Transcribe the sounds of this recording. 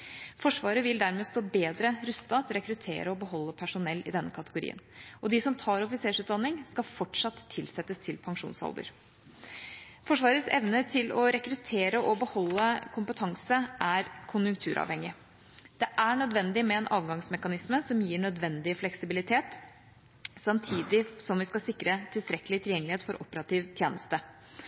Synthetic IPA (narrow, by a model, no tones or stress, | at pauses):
fɔʂʋɑːɾəʋɪld̪æɾmeːst̪oːbeːd̪ɾəɾʉst̪ɑt̪ɾɛkɾʉt̪ʰḛːɾəɔbəɦɔlːəpʰæʂʊnɛlːɪ̰d̪ɛnːəkʰɑt̪əɡʊɾḭːə̰nɔd̪ɪsɔmt̪ʰɑːɾɔfɪseːʂʉːt̪̚d̪ɑnːɪŋskɑfɔʈʂɑt̪ʰːɪlsɛt̪ːəst̪ʰɪlpʰɑŋʂṵːnshɑ̰ld̪ə̰ɾ | fɔʂʋɑːɾəsɛ̰ʋnət̪ʰɪlɔɾɛkɾʉt̪ʰeːɾəʔɔbəhɔlːəkʰʊmpət̪ʰɑŋsəʔæɾkʰʊnjʉŋkt̪ʰʉːɾʔɑ̰ːʋhɛŋɪ | d̪̥ɛʔæɳœd̪ʋɛnd̪ɪmɛɛnʔɑːʋɡɑŋsmɛkɑnɪsməsɔmjiːɳœd̪ʋɛnd̪ɪəflɛksɪbɪlɪt̪ʰeːt̪ | sɑmt̪ʰiːd̪ɪsɔmʋɪskɑsɪkːɾət̪ʰɪlst̪ɾɛkːəlɪt̪ʰɪljɛŋːəlɪheːt̪fɔɾʔɔ̰pəɾɑt̪iːʋt̪ʰjeːnəst̪ə